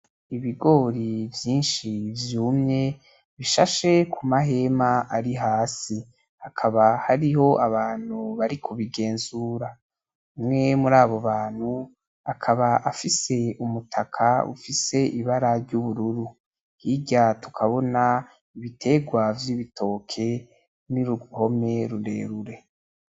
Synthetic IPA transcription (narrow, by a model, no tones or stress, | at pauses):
iβiɡo̞ːɾivjiːnʃivjuːmɲe̞ | βiʃaʃe̞kʰumaɦe̞maʔaɾiɦaːsi | akʰaβahaɾiho̞ʔaβaːn̥huβaɾikʰuβiɡe̞ːnzuɾa | mŋe̞muɾaːβo̞βaːn̥hu | akʰaβaʔafise̞umutʰakʰaṵfise̞ʔiβaɾaɾɟuβuɾuɾu | hiɟatu̥kʰaβo̞na | iβitʰe̞ɡwavjiβitʰo̞ːkʰe̞ | niɾuuho̞me̞ɾuɾḛːɾuɾe̞